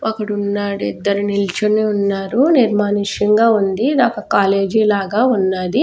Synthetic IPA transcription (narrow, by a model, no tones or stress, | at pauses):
ɐkːɐɽunːaːɽid̪ːɐɾunilt͡ʃɐneunːaːɾuniɾmaːniʃɐŋɡaːund̪id̪aːkɐkaːleːd͡ʒilaːɡaːunːaːd̪i